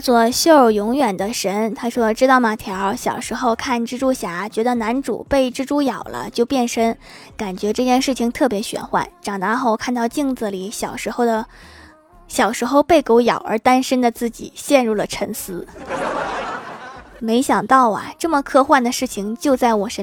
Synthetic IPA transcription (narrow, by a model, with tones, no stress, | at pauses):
t͡swɔ˥˩ɕo˥˩ə˞˧˥jʊ˧˥ŋɥɛ˨˩nd̪ə˦ʂə˧˥nt̪ʰa˥ʂwɔ˥ʈ͡ʂɻ̩˥t̪ɑ˥˩ʊma˧˥t̪ʰjɑ˧˥ɕjɑ˨˩ʊʂɻ̩˧˥xo˥˧ʊkʰa˥˩nʈ͡ʂɻ̩˥ʈ͡ʂu˥ɕja˧˥t͡ɕɥɛ˧˥d̪ə˧na˧˥nʈ͡ʂṵ˨˩pe˥˩ɪʈ͡ʂɻ̩˥ʈ͡ʂu˥jɑ˨˩ʊlə̰˦t͡ɕjo˥˧ʊpjɛ˥˩nʂə˥n | ka˨˩nt͡ɕɥɛ˧˥ʈ͡ʂɤ˥˧t͡ɕjɛ˥˧nʂɻ̩˥˩t͡ɕʰi˧˩ŋt̪ʰɤ˥˩pjɛ˧˥ɕɥɛ̰˨˩nxwa̰˥˩nʈ͡ʂɑ˨˩ŋt̪a˧˥xo˥˧ʊkʰa˥˧nt̪ɑ˥˧ʊt͡ɕi˥˧ŋt͡sɹ̩˨˩li˨˩˦ɕjɑ˨˩ʊʂɻ̩˧˥xo˥˧ʊd̪ə˩ | ɕjɑ˨˩ʊʂɻ̩˧˥xo˧ʊpe˥˩ɪko˧˥ʊjɑ˨˩ʊə̰˞˧˥t̪a˥nʂə˥nd̪ə˨t͡sɹ̩˥˩t͡ɕḭ˨˩ɕjɛ˥˧nɻu˥˩lə˩ʈ͡ʂʰə˧˥ŋsɹ̩˧˥ | me˧˥ɪɕjɑ˨˩ŋt̪ɑ˥˩ʊɐ̰˨˩ʈ͡ʂɤ˥˩mə˩kʰɤ˥˧xwa˥˩nd̪ə˩ʂɻ̩˥˩t͡ɕʰi˧˩ŋt͡ɕjo˥˧ʊt͡sa˥˩ɪwɔ˨˩ʂə˧˥